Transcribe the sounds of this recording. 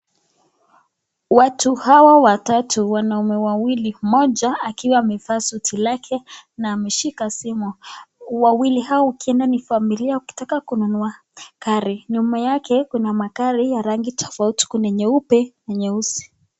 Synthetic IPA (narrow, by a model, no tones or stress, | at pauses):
watuhawawatatʰuwanaumɛwawilimɔʄaakiwaːmɛfaːsutʰilakʰɛnaːmɛʃikasimuwawilihawɔukiɛndanifamiliauki̥takakununua | kaɾiɲumajakʰɛkunamakaɾijaɾaŋɡitʰɔ̥fauti̥kunɛɲɛupɛnɛɲɛusi̥